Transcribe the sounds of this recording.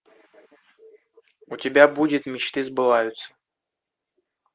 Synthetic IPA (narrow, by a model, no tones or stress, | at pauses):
utʲɪbʲabudʲɪt̪mʲɪt͡ɕt̪ɨzbɨvajʊt̪sə̥